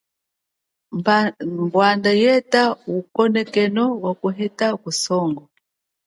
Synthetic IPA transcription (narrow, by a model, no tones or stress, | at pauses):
mbwandajɛtaukɔnɛkɛnɔwakuɦɛtakusɔŋɡɔ